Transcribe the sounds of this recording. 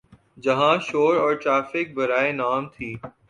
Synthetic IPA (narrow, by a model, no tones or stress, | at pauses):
d͡ʒɐɦãʃoːɾɔːɾʈɾaːfɪk̚bɐɾaːenaːmt̪ʰiː